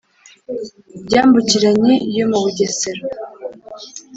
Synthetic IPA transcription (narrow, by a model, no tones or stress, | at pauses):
bɟaːmbuciɾaɲe̞jo̞muβuɟeseɾo